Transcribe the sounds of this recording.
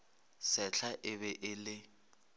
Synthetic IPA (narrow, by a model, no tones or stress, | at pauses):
sɛɬʰaʔɪβɛʔɪlɪ